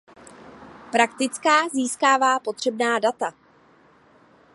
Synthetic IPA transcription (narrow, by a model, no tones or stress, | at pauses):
pɾakt̪ɪt͡skaːziːskaːvaːpo̞t̪r̝̥ɛbnaːdat̪a